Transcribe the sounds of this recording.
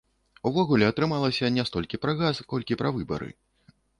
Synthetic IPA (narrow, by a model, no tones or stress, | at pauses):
uvɔɣulʲɛɐt̪ɾɨmalˠɐsʲɐnʲɛst̪ɔlʲkʲipɾɐɣaskɔlʲkʲipɾɐvɨbɐ̰ɾɨ̰